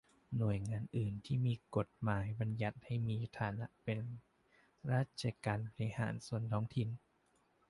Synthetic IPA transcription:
nu˨˩əjŋaː˧nʔɯː˨˩nt̪ʰiː˥˩miː˧ko˨˩t̪̚maː˨˩˦jba˧nja˨˩t̪̚ha˥˩jmiː˧t̪ʰaː˨˦na˦˥ʔpe˧n | ɾaː˦˥˩t̪̚t͡ɕʰa˧kaː˧npʰa˧ɾi˧ha̰ː˩˦nsu˨˩ənt̪ʰɔː˦˥ŋt̪ʰi˧n

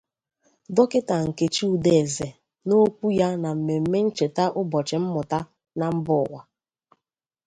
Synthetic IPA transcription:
dɔ˦kɪ˦ta˨ŋ̩˨ke˨t͡ʃi˦u˨de˨ze˨ | no˦kʷu˦ja˦na˨m̩˨me˨m̩˨me˦n̩˦t͡ʃe˨ta˦ʔʊ˦bɔ˨t͡ʃɪ˨m̩˦mʊ˨ta˦ | na˨m̩˦bʊ˦˨wa˨

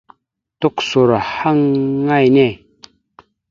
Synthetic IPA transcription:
t̪o˦˨kso˨ɾa˨ha˦ŋːa˦˨jne˦˨

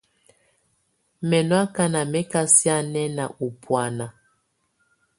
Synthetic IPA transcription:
mɛ˨nwa˦ka˦na˨mɛ˦ka˦sja˦nɛ˦na̰˨ʔu˨pʰwa˨na˨

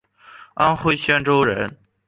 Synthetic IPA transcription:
a˥nxwe˥˩ɪɕɥɛ˥nʈ͡ʂo˥ʊɻə˧˥n

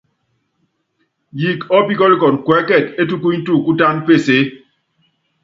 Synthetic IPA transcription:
ji˨kɔ˦pi˦kɔ˦li˦kɔ˨n˨kwɛ˨˦kɛ˦˨te˦tu˦ku˦ɲ˦tu˦˨ku˦ta˦npe˦˨se˨˦

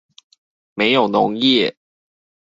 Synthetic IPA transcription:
me˧˥ɪjo˨˩ʊnʊ˧˥ŋjɛ˥˩˨

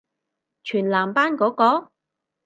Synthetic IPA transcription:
t͡ʃʰyː˨˩nlaː˨˩mpaː˥nkɔː˨˥kɔː˨˥

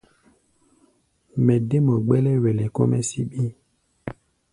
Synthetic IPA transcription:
mɛ̃˨de˦mɔ˨ɡ͡bɛ˦lɛ˦wɛ˨lɛ˨ko̰˦mɛ˦si˦ɓi˦

